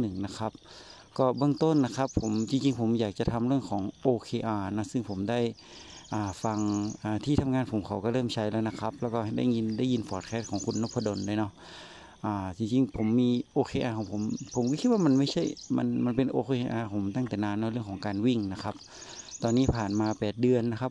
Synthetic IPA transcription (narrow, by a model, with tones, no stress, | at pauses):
nɯ˨˩ŋna˦˥kʰa˦˥p̚ | kɔː˧˩bɯ˧˩əŋt̪o˥˨nːa˧˥kʰa˦˥pʰːo˨˩˦mt͡ɕi˧ŋt͡ɕi˧ŋpʰo˨˩˦mjaː˨˩k̚t͡ɕa˧˨t̪ʰa˧mɾɯ˥˩əŋkʰɔː˩˦ŋʔoː˧kʰeː˧ʔaː˧nɔ˧˥sɯ˧˩ŋpʰo˩˦mda˥˩j | ʔaː˨˩fa˧ŋʔaː˨˩t̪ʰiː˧˩t̪ʰa˧mŋaː˧npʰo˨˦mkʰa˨˩wkɔː˥˩ɾɤː˥˩˨mt͡ɕʰa˧˥jlɛː˧˩na˦˥kʰa˦˥p̚lɛː˦˥wkɔː˧˩ha˧˩jda˥˩jŋi˧nda˥˩jːi˧npɔː˧˦˩t̪̚kʰɛː˧˦˥t̪̚kʰɔː˩˦ŋkʰu˧nː˧˥˩pʰːa˧do˧ndaː˧˩jnɔ˦˧˥ʔ | ʔaː˧˩t͡ɕi˧ŋt͡ɕi˧ŋpʰo˨˩˦mːiː˧ʔoː˧kʰeː˧ʔaː˧kʰɔː˨˦ŋpʰo˨˩˦mpʰo˨˩˦mkɔ˥˩kʰi˦˥t̪̚waː˧ma˧˨nma˥˩jt͡ɕʰa˥˩jma̰˧nma˧npe˨nʔoː˧kʰeː˧eː˧ʔaː˧˩pʰo˨˩˦mt̪a˧˥˩ŋt̪ɛː˨˩naː˧˥nːɔ˧˩ɾɯ˥˩əŋʰkʰːŋkaː˨nwi˧˥˩ŋna˦˥kʰa˧˦˥p̚ | t̪ɔː˧nːiː˦˥˩pʰaː˨˩nmaː˧pɛː˨˩t̪̚dɯ˧ənːa˦˥xʰa˦˥p̚